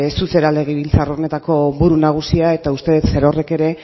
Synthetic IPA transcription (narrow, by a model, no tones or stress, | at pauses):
suse̞ɾale̞ɣ̞iβ̞ilt͡saro̞ne̞t̪ako̞βuɾunaɣ̞usiae̞t̪aust̪e̞ðt̪seɾore̞ke̞ɾe̞